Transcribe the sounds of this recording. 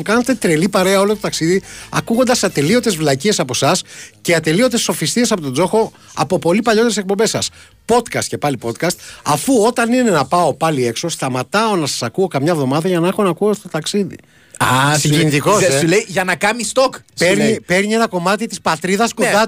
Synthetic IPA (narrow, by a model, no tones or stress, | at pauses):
kɐnet̪e̞t̪ɾelipɐɾe̞ɐo̞lo̞t̪o̞t̪ɐksiðiɐ̰kuɣo̞nd̪ɐsɐt̪e̞lio̞d̪e̞zvlɐcie̞sɐpo̞sɐsceɐt̪e̞lio̞d̪e̞sːo̞fist̪ies̬ɐpot̪o̞d͡zo̞xo̞ | ɐ̰po̞po̞lipɐʎo̞t̪eɾesek̚po̞mbe̞sɐs | po̞t̪kɐst̪ce̞pɐlipo̞t̪kɐst̪ɐfuo̞t̪ɐnine̞nɐpɐopɐlie̞kso̞st̪ɐmɐt̪ɐo̞nɐsɐ̥sɐkuo̞kɐmɲɐvðo̞mɐðɐʝɐnɐexo̞nɐkuost̪o̞t̪ɐksiðḭ | ɐsiɟenit̪ikosileiʝɐnɐkɐmist̪okspeɾipe̞ɾnie̞nɐko̞mɐt̪it̪ispɐt̪ɾiðɐskond̪ɐ